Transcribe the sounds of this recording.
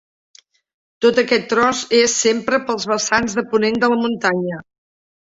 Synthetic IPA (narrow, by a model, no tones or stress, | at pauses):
t̪ot̪əkɛt̪ːɾɔzesːempɾəpəlˠzβəsanzðəpunend̪ələmunt̪aɲə